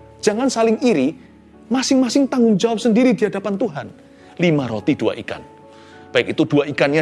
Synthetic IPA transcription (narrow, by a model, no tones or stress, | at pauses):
ʒ̥aŋansalɪŋiɾi | masɪŋmasɪŋt̪aŋʊŋd͡ʒawap̚səndiɾidiadapant̪uɦan | limaɾot̪idua̰ʔika̰n | b̥aɪkit̪ud̥uaʔikanja